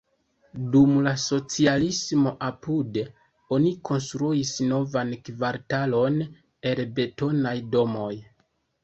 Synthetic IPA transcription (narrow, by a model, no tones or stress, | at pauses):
dumlaso̞t͡sialismo̞ʔapude | o̞nikʰo̞ns̬tɾuisno̞vankvaɾtalo̞n | e̞lbe̞to̞najdo̞mo̞j